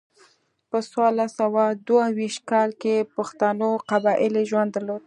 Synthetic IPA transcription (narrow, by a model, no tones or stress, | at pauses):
pəswɑlasawad̪wawiʃt̪̚kɑlkepaxt̪anoqabɑʔɪleʒwand̪əɾlod̪̚